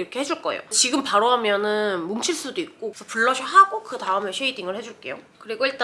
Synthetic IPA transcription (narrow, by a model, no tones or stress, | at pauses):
ɾʌkʰe̞ɦed͡ʑuɭk͈ʌ̰ḛo̰t͡ɕiɡɯmpaɾoɦamjʌnɯnmuŋt͡ɕʰiɭs͈udoik̚k͈osʰʌpuɭːʌɕʰʌɦaɡokɯtaɯmeɕʰeidiŋɯɭhed͡ʑuɭk͈e̞̰jo̰kɯɾiɡoiɭt͈a